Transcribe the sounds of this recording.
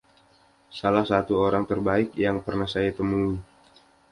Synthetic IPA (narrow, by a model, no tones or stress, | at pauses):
salahsat̪uoɾaŋt̪ərbaɪk̚jaŋpərnahsajat̪əmui